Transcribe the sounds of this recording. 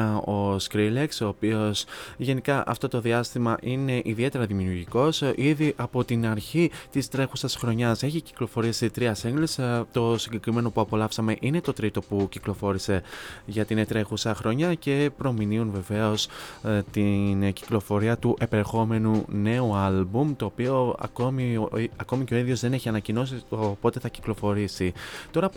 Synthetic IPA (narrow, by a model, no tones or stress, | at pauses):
o̞skɾilekso̞ːpio̞sʝe̞nikɐʔɐ̰ft̪o̞t̪o̞ðiɐst̪imɐʔine̞ʔiðie̞t̪e̞ɾɐðimiuuɾʝiko̞siðiʔɐpo̞t̪inɐɾçit̪ist̪ɾe̞xusɐsxɾo̞ɲɐse̞çici̥klo̞fo̞ɾisit̪ɾiɐsiŋɡlist̪o̞siɲɟe̞kɾime̞no̞puɐpo̞lɐfsɐme̞ʔine̞t̪o̞t̪ɾit̪o̞puciklo̞fo̞ɾise̞ʝɐt̪inet̪ɾe̞xusɐxɾo̞ɲɐce̞pɾo̞miniunve̞ve̞o̞st̪inci̥klo̞fo̞ɾiɐt̪uʔe̞peɾexo̞me̞nune̞uɐlbumt̪o̞ːpio̞ɐ̰ko̞miɐko̞mice̞o̞iðʝo̞zðe̞ne̞çiɐnɐcino̞siopo̞t̪e̞θɐci̥klo̞fo̞ɾisit̪o̞ɾɐ